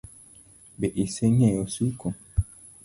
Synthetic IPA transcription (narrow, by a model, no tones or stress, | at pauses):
beʔiseɲɛ̃josuko